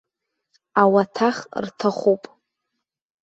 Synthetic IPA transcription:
awatʰaχrtʰaχʷupʼ

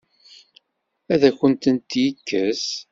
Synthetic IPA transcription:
æðæçənt̪ənt̪jəkːəs

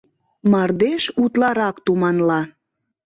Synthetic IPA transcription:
mɑrd̪eʃut̪lɑɾɑkt̪umɑnlɑ

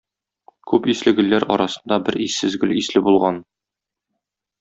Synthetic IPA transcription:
kʉpislɘ̆ɡɘ̆lːæɾɒ̰ɾɑsɤ̆nd̪ɑbɘɾisːɘzɡɵlislɘbulˠʁɑn

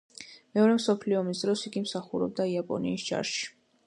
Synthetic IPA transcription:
mɛɔɾɛmsɔpʰliɔːmisd̪ɾɔsiɡimsaχuɾɔ̰b̚d̪aiapʼɔ̰nḭːsd͡ʒa̰ɾʃi̥

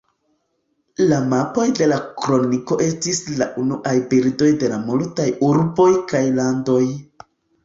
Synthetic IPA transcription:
lamapo̞jde̞lakɾo̞niko̞ʔe̞stislaʔunuʔajbiɾdo̞jde̞lamultajuɾbo̞jkajlando̞j

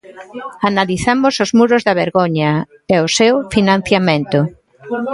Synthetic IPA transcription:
analiθamʊsʊzmuɾʊzðɐβeɾɣoɲɐ | ɛʊsewfinãn̟θjamẽnt̪ʊ

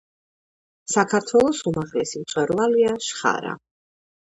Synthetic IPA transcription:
sakʰaɾt̪ʰwɛlˠɔsumaʁlɛsimt̪sʼwɛɾvaliaʃχa̰ɾa̰

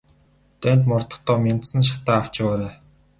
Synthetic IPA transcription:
t̪ænt̪̬mɔrt̪ə̆χt̪ɔːmʲent̪sɘ̆nʃ̬ḁt̪æːaw̥t͡ɕɪ̆waːlæː

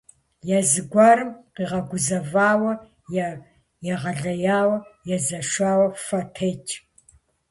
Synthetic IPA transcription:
jazɨɡʷaːɾɨmqiːʁɐɡʷʊzɐvaːwɐ | j | jɛʁɐɮɐjaːwɐjɛzɐʂʷaːwɐfɐtʰeːt͡ʃʰʼ

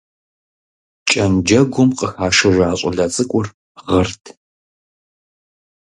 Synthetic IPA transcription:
t͡ʃʼɐnd͡ʒɐɡʷʊmqəxaːʃɐʒʷaːɕʼɔ̰ɮɐt͡sʼɨkʷʼʊr | ʁɐrtʰ

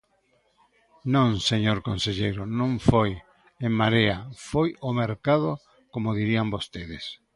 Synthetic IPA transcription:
nõŋseɲoɾkonseʎejɾonõɱfoj | eŋmaɾeafojomeɾkaðo | komoðiɾiambost̪eðes

